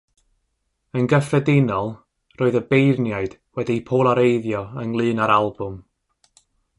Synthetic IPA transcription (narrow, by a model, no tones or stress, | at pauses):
ənɡəfɛdɪnɔlˠ | rʔoːɨðəbejrnjaɨd̥ | wɛdipʰoːlˠaɾejðjɔənlˠɨːnaɾalˠbʊm